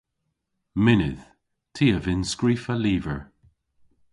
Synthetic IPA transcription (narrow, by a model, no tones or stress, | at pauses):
mɪnɪð̥ | tʰiːəvɪnskɹiːfəliːvəɹ